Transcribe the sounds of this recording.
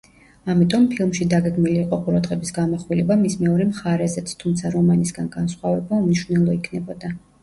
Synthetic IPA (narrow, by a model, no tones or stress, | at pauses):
amit̪ʼɔmpʰilˠmʃid̪aɡɛɡmiliːqʼɔqʼuɾad̪ʁɛbisɡamaχwilɛbamismɛɔɾɛmχaɾɛzɛt̪sʰt̪ʰumt̪sʰaɾɔmanisɡanɡansχwavɛbaumniʃvnɛlˠɔikʰnɛbɔd̪a